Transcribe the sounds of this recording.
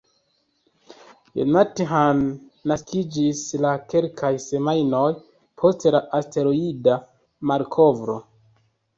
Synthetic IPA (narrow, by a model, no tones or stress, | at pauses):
jo̰natiɦanːaskid͡ʒislake̞lkʰajse̞majno̞j | pʰo̞stelaʔaste̞ɾoida | maɾkʰo̞vɾo̞̰